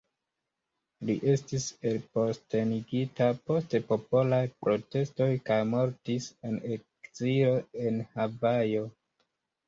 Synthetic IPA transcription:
liʔe̞stise̞lpo̞ste̞niɡitapo̞stepo̞po̞lajpɾo̞te̞sto̞jkajmo̞ɾtisenekz̥ilo̞e̞nhavajo̞

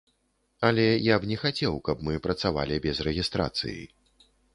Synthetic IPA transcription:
ɐlʲɛjabnʲɛxat͡sʲɛwkɐbmɨpɾɐt̪sava̰lʲibʲɛzrɛɣʲist̪ɾa̰t̪sɨ̰jḭ

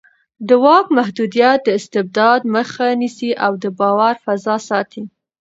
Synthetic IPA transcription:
d̪əwɑkmaɦd̪ud̪ijat̪̚d̪əɪst̪ɪb̚d̪ɑd̪məxanisiʔawd̪əbɑwaɾfazɑsɑt̪ʰi

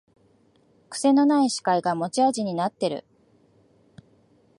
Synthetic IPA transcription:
kɯ̟̥se̞no̞naiɕi̥kaiɡamo̞t͡ɕiaʑiɲ̟inat̪ːe̞ɾɯ̟̰

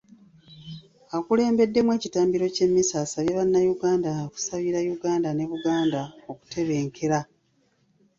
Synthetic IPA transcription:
akule̞ːmbe̞dːe̞mwe̞ːcitaːmbiɾo̞ce̞mːisaːsaβjaβanːajuɡaːndaku̥saβiɾajuɡaːndane̞βuɡaːndaoku̥te̞βe̞ːŋkʰe̞ɾa

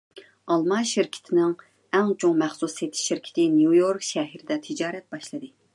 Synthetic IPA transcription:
ɑlˠmɑʃiɾkʲʰɪ̥t̪ʰɪnɪŋ | ɛŋt͡ʃʰoŋmɛχsuset̪ʰɪ̥ʃʃiɾkʲʰɪ̥t̪ʰɪnjujoɾkʃɛɦiɾɪd̪ɛt̪ʰɪd͡ʒɑːɾɛt̪̚bɑʃlˠɨd̪ɨ

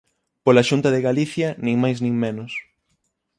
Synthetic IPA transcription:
polaʃunt̪ɐðeɣaliθjɐnĩŋmajznĩŋmenʊs

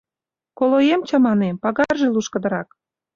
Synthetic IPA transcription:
kolojemt͡ɕɑmɑnempɑɣɑrʒeluʃkə̆d̪ə̆ɾɑk

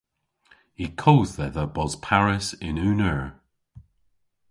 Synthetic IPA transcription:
ikʰowððɛðəbɔz̥pʰaɹɪsɪnʉːnəɹ

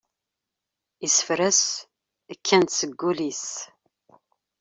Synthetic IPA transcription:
isfɾəs | əkʰːænsəɡʷːʊlis

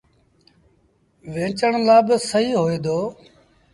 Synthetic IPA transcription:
ʋẽːt͡ʃəɳ̃laːbɪsəɦiːɦoːeːd̪oː

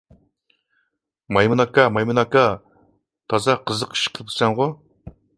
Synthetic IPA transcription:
mɑjmunɑkɑmɑjmunɑkɑ | t̪ʰɑzɑqʰəzəqi̥ʃqʰəlˠp̚t̪ʰɨ̥sɛŋʁʊ

